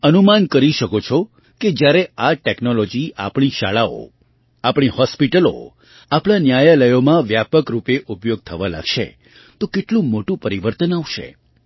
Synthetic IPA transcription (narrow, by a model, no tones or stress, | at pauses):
ənumankəɾiʃəkot͡ʃʰɔ | ked͡ʒjaɾeaʈeknolɔd͡ʒiʔa̰pɳ̃iʃaɭao̰ | apɽ̃ihɔspiʈəlo̰ | apɳ̃anjajaləjomãʋjapəkɾupeʔupjoɡ̚t̪ʰəʋala̰ɡʃḛ | t̪okeʈlũmoʈũpəɾiʋəɾt̪ənaʋʃḛ